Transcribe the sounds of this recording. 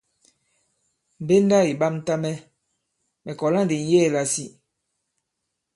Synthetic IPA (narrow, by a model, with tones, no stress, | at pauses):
m̩˨be˦n˦da˦i˨ɓa˦mn˦ta˦mɛ˦ | mɛ˨kɔ˨la˦n˨de˨n̩˦jɛ˦˨la˨si˦